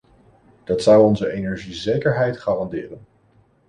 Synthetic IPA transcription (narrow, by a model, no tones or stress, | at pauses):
d̥ɑtsʌwɔnzəejnɛɹʒizejkəɹɦɛjtχaːrɑndɪːrən